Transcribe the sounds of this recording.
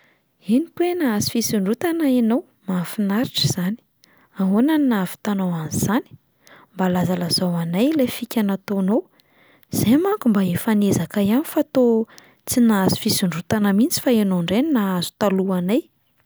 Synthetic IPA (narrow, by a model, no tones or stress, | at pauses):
enikwenaazi̥fisiɳɖ͡ʐut̪anainow | mafinaɾiʈ͡ʂəz̥ani̥ | aɦonaninaafi̥t̪anowaniz̥ani̥ | mbalazalaz̥awanajlefikʲanat̪onow | z̥emaŋkumbaefanezakajanifat̪o | t͡sinaazu̥fisiɳɖ͡ʐut̪anəmint͡si̥faenoɳɖ͡ʐeninaazu̥t̪aluanaj